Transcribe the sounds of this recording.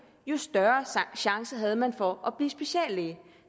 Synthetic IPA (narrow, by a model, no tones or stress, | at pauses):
jo̝sd̥ɶɐɕɑ̈ŋsɐɦæð̞ˠəmænfɒ̽ʔɒb̥liːsb̥e̝ɕɛ̰ːlːe